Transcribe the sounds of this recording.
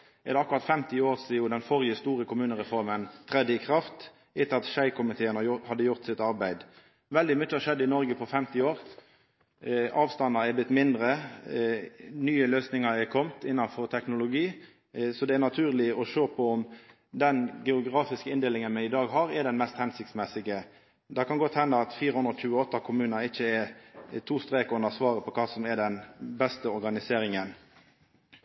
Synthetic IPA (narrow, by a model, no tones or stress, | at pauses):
ɛd̪ɛɑkɾʁɑt̪fɛmt̪ɪoːʁsɪʊd̪ɛnfɔɾjəst̪uːɾəkʰʊmʉːnəɾɛfɔɾmənt̪ʰɾɛd̪ːəɪkʰʁɑft̪ | ɪt̪əɾɑt̪ʃæɪkʰʊmɪt̪ʰeːənəhɑd̪ːəjʊɾt̪sɪt̪ɑɾbæɪd̪ | ʋɛld̪ɪmʏt͡ʃːəɑʃɛd̪ːəɪnɔɾɡəpʰɔfɛmt̪ɪoːɾ | ɑːʋst̪ɑnːɑɾɛblɪt̪ːmɪnd̪ɾə | nyːəløːsnɪŋɑɛkʰɔmt̪ɪnːɑnfɔʁt̪ʰɛknʊlʊɡiː | sɔd̪ɛæɾnɑt̪ʰʉːʁlɪɔʃøːpʰɔɔm | d̪ɛnɡɛʊɡʁɑːfɪskəɪnd̪eːlɪŋənmɛɪd̪ɑːɡɦɑʁɛɖɛnmɛst̪hɛnsɪkt̪smɛsɪɡə | d̪ɑkɑnɡɔt̪hɛnːəɑt̪fiːɾəhʉnd̪ɾɔc͡çʉːəɔt̪ːɑkʰʊmʉːnəɪçːəɛt̪ʰuːst̪ɾeːkʉnəsʋɑːʁəpʰɔkʰɑːsɔmɛɖɛnbɛst̪əɔɾɡɑnɪseːɾɪŋən